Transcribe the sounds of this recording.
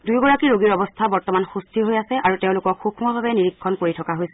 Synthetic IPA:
dujɡɔɹakiɹoɡiɹɔbɔstʰabɔɹtɔmanxustʰiɦojasɛʔaɹuteʊ̃lʊkɔkxukʰmɔbʱabɛniɹikʰːɔnkoɹitʰɔkaɦojsɛ

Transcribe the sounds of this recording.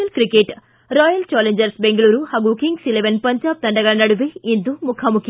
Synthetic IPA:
ɐlkɾikeʈ | ɾɔːjɐlt͡ʃaːleɲd͡ʒɐɾsbeŋɡɐɭuːɾuhaːɡukiŋɡsileʋɐnpɐɲd͡ʒaːb̚t̪ɐɳɖɐɡɐɭɐnɐɽuʋeind̪umukʰɐmukʰjɐ

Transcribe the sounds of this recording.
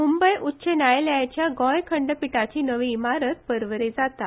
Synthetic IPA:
mumbəjʔutːɕenajlat͡ɕjaɡɔ̃jkʰəɳɖpiʈat͡ɕiːnəʋiːmaɾət̪̚pəɾʋəɾed͡zat̪a

